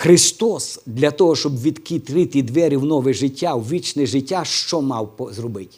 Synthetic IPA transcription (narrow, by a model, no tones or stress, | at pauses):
xɾɪst̪ɔsd̪lʲɐt̪ɔɦɔʃt͡ʃɔbʋʲid̪kʲit̪ɾɪt̪ɪd̪ʋɛɾʲiwnɔʋɛʒɪtʲːawʋʲit͡ʃnɛʒɪtʲːaʃt͡ʃɔmɑwpɔzrɔbɪtʲ